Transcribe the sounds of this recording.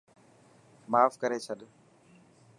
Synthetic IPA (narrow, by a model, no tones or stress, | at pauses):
maːfkəɾeːt͡ʃʰəɗ